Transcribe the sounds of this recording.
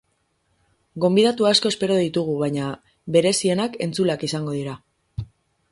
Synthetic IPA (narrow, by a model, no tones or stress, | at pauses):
ɡo̞mbiðat̪uaːsko̞e̞spe̞ɾo̞ðit̪uɣ̞uβajɲa | βe̞ɾe̞sie̞nake̞nt͡sulakisaŋɡo̞ðiɾa